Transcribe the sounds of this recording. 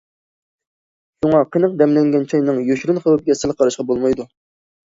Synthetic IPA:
ʃuŋɑqʰənəq̚d̪ɛmlɛŋɡʲɛnt͡ʃʰɑjnɨŋjoʃɾynχəwɨp̚ɡʲɛsɪlˠqʰɑɾɑʃqɑbolˠmɑjd̪u

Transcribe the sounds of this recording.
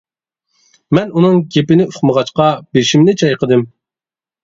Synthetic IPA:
mɛnunɨŋɡʲepɪnɪyχməʁɑt͡ʃqɑbeʃimnɪt͡ʃʰɑjqəd̪ɨm

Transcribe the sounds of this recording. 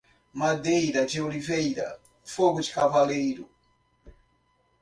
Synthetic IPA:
mad̪ejɾad͡ʒiolivejɾa̰ | foɡud͡ʒikʰavalejɾu

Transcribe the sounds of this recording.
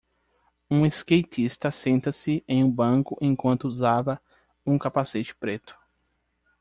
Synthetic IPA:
ũeskejt͡ʃ̪ist̪ɐsẽnt̪ɐsɪẽj̃ũbɐ̃kʊʔẽj̃kwɐ̃nt̪ʊuzavɐ | ũkapaset͡ʃɪ̥pɾet̪ʊ̥

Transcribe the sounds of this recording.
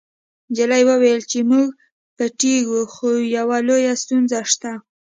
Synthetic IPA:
d͡ʒalajwəwajəlt͡ʃemuɡ | pəʈeɡuxojawalojast̪unzaʃt̪a

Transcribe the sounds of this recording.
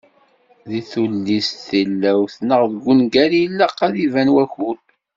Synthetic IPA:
ðiθulːisθilːæwθnəʁðəɡʷːunɡæɾijlːəqːæðivænwæçuɾ

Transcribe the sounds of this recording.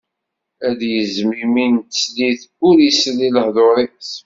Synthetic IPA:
æðjəzmiminsliθʊɾisəlːiləhðˤoɾˤis

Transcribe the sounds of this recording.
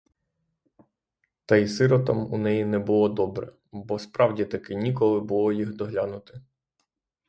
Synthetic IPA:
t̪ɐisɪɾɔt̪ɑmṵnɛjinɛbʊlˠɔd̪ɔbɾɛ̰ | bɔspɾɑwdʲit̪ɐkɪnʲikɔlˠɪbʊlˠɔjixd̪ɔɦlʲɑnʊt̪ɪ

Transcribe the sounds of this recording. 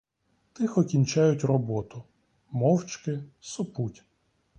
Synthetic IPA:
t̪ɪxɔkʲinʲt͡ʃajʊtʲrɔbɔt̪ʊ | mɔwt͡ʃkɪsɔputʲ

